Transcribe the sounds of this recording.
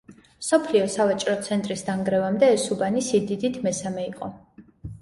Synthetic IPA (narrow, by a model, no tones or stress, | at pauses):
msɔpʰliɔsavat͡ʃʼɾɔt̪sʰɛnt̪ʼɾisd̪aŋɡɾɛvamd̪ɛːsubanisid̪id̪it̪ʰmɛsamɛiqʼɔ